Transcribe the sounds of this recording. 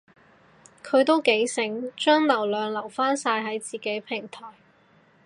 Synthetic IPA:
kʰɵ˨˧ɥt̪o˥wke˨˥jsɪ˨˥ŋt͡ʃœː˥ŋlɐ˨˩wlœː˨ŋlɐ˨˩wfaː˥nsaː˧jɦɐ˨˥jt͡siː˨ke˨˥jpʰɪ˨˩ŋt̪ʰɔː˨˩j

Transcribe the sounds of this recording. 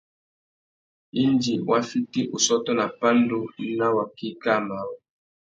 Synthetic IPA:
i˦n˦d͡ʒi˨wʔa˦fi˦ti˦ʔu˨sɔ˦tɔ˦na˨pa˦n˦do˦n˦na˦wa˨ki˦ka˦˨ma˨˦wɔ˨

